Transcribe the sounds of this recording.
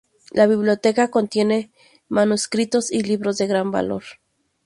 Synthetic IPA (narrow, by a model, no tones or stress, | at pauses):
laβiβljot̪ekakont̪je̞ne | manuskɾit̪osiliβɾozðeɣɾamba̰lo̰ɾ